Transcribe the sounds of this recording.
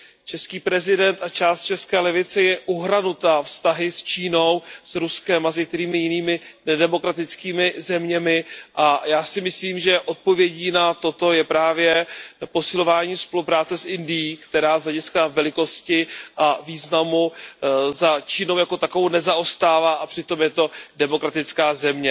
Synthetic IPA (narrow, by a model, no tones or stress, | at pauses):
t͡ʃɛskiːpɾɛzɪdɛnt̪at͡ʃaːst̪̚t͡ʃɛskɛːlɛvɪt͡sɛjɛʔuɦɾanut̪afst̪aɦɪst͡ʃiːno̞wsɾuskɛmazɛk̚t̪ɛɾiːmɪjɪniːmɪnɛdɛmo̞kɾat̪ɪt͡skiːmɪzɛmɲɛmɪʔajaːsɪmɪsliːmʒɛʔo̞t̪̚po̞vjɛɟiːnat̪o̞t̪o̞jɛpɾaːvjɛpo̞sɪlo̞vaːɲiːspolupɾaːt͡sɛsʔɪndɪjiːkt̪ɛɾaːzɦlɛɟɪskavɛlɪko̞scɪʔaviːznamu | zat͡ʃiːno̞wjako̞t̪akovownɛzaʔo̞st̪aːvaːʔapr̝̥ɪt̪o̞mjɛt̪o̞dɛmo̞kɾat̪ɪt͡skaːzɛmɲɛ